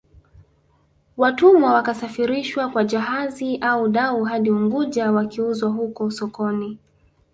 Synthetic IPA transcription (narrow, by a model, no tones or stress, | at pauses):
watumawakasafiɾiʃwakwad͡ʒaɦaziʔauɗauɦaɗiuŋɡuʄawakiuzwaɦukɔsɔkɔni